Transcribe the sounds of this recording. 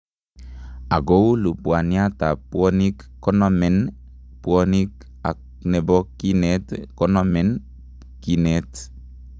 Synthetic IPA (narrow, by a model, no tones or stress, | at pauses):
aɡowlupuaniat̪apuonik | kːonomen | puonik | ak | nebokinetkonomen | kinet